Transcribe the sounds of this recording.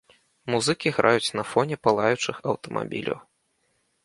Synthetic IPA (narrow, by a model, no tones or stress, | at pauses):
muzɨkʲiɣɾʔajut͡sʲnɐfɔnʲɛpalˠajut͡ʂɨxɐwt̪ɐmʔa̰bʲḭlʲɐ̰w